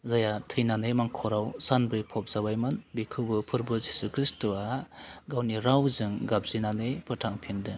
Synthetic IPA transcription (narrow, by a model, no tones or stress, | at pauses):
zajatʰɯjnanɯjmaŋkʰɔɾawsanbɾijpʰɔp̚z̥aβajmɯnbikʰɯbɯpʰɯɾbɯzisukʰɾistuaɡawniɾawzɯŋɡap̚zɯjnanɯjpʰɯɾtʰaŋpʰindɯ